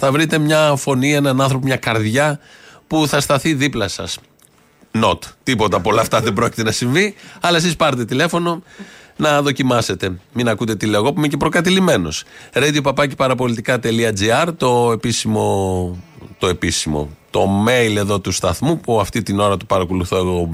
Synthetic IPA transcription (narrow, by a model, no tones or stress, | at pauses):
θɐvɾit̪e̞mɲɐfo̞nie̞nɐnɐ̃nθɾo̞pomɲɐkɐɾðʝɐpuθɐst̪ɐθiðiplɐsɐs | no̞t̪t̪ipo̞t̪ɐpo̞lɐːft̪ɐðebɾo̞ci̥t̪e̞nɐsiɱviɐlɐe̞sispɐɾet̪e̞t̪ile̞fo̞no̞nɐðo̞cimɐse̞t̪e̞minɐkut̪e̞t̪ile̞oɣo̞pumeɲcepɾo̞kɐt̪ilime̞no̞̰sɾed̪iopɐpɐce̥pɐɾɐpo̞lit̪ikɐt̪e̞liɐd͡ziɐɾt̪o̞e̞pisimo | t̪o̞e̞pisimo̞̰t̪o̞me̞jle̞ðo̞t̪ust̪ɐθmupuɐft̪it̪ino̞ɾɐt̪upɐɾɐkoluθo̞e̞ɣo